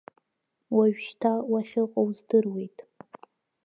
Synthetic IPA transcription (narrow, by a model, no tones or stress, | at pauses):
waɥᶣʃtʰawaʃʲɪqʼowzdɨrwe̞jtʼ